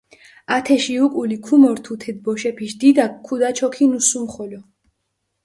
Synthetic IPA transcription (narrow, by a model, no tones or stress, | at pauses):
at̪ʰɛʃiukʼulikʰumɔɾt̪ʰut̪ʰɛd̪̚bɔʃɛpʰiʃd̪id̪akʰːud̪at͡ʃʰɔkʰinusumχɔlɔ